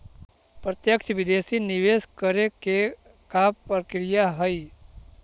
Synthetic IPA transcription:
pɾət̪jəkt͡ʃʰʋɪd̪eːsinɪʋeːskəɾeke | kaːppəɾkɾɪjaɦəi

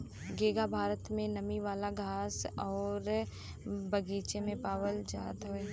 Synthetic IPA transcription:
ɡeːɡabʱaːɾət̪mẽnɐmiʋaːlaɡʱaːsɔːɾ | bɐɡiːt͡ʃemẽpaːʋəld͡ʒaːt̪ɦoeː

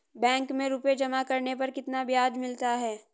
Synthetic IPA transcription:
bɛ̃ːŋkmẽɾuped͡ʒɐmakɐɾnepɐɾkɪt̪nabɪjaːd͡ʒmɪlt̪aɦɛː

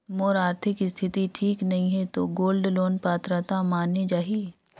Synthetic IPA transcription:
moːɾaːɾt̪ʰɪkst̪ʰɪt̪iʈʰiːknɐɦĩɦɛt̪oɡoːlɖloːnpaːt̪ɾat̪amaːnːed͡ʒaːɦi

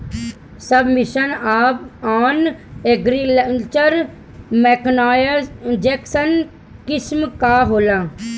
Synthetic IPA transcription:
sɐbmɪʃənaːpaːneɡɾiləlt͡ʃəɾ | meːknaːjəd͡ʒɛːksən | kɪsmkaːɦoːlãː

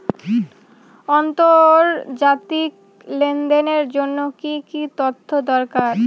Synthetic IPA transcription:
ɔnt̪oɾd͡ʑat̪ik | lend̪eneɾd͡ʑonːokikit̪ot̪ʰːod̪ɔɾkaɾ

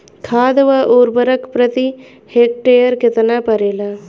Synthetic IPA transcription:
kʰaːd̪ʋaʔoːɾbəɾəkpɾɐt̪i | heːk̚ʈeːjəɾkɪt̪napɐɾeːla

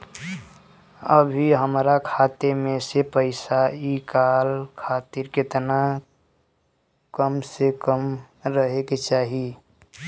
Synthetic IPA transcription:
əbʱiɦəmɾakʰaːt̪emẽsepəɪsaikaːlkʰaːt̪ɪɾkɪt̪na | kəmsekəm | ɾəɦeket͡ʃaːɦi

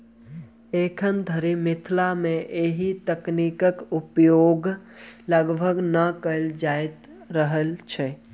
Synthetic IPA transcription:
eːkʰənd̪ʱəɾimɪt̪ʰlamẽʔeːɦit̪ɐknikəkʊpjoːɡləɡbʱəɡnəkəld͡ʒaːɪt̪ | ɾəɦəlt͡ʃʰɛː

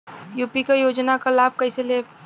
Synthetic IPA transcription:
juːpikajoːd͡ʒnakalaːb̚kəɪsele

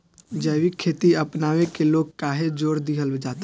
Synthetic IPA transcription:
d͡ʒəːwikʰːeːt̪iɐpnaːʋekeloːɡ̚kaːɦed͡ʒoːɾd̪iɦəld͡ʒaːt̪e

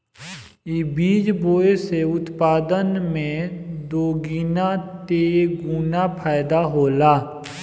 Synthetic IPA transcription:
ibiːd͡ʒboːeseʊt̪paːd̪ənmẽd̪oːɡiːnat̪eːɡuːnapʰaːɪd̪aɦoːlaː

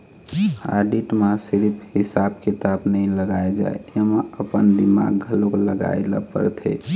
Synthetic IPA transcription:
a̰ɖiʈmasiɾpʰhisab̚kit̪abnəiləɡaed͡ʒa̰eemeəpənd̪ima̰ɡʱəlokləɡa̰elə̰pə̰ɾt̪ʰḛ

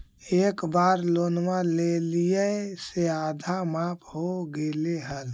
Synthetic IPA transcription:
eːkbaːɾlonmalelijəseaːd̪ʱamapʰɦoɡeleɦəl

